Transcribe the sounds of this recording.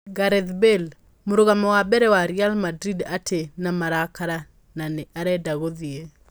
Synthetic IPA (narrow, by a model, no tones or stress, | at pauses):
ɡaɾɛðbel | moɾoɣamɔwabɛɾɛwaɾialmadɾidatʰenamaɾakaɾa | nanɛʔaɾɛdaɣoðie